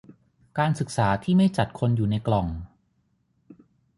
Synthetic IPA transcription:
kaː˧nsɯ˨˩k̚saː˩˦t̪ʰiː˥˩ma˥˩jt͡ɕa˨˩t̪̚kʰo˧njuː˨˩na˧jklɔ˨˩ŋ

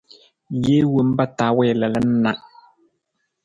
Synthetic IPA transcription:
je˦wu˨˦m˦ba˦ta˨˦wɛ˦˨lɛ˨lə˦n̩˦na˨ʔ

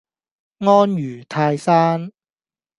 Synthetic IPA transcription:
ŋɔː˥njyː˨˩t̪ʰaː˧jsaː˥n

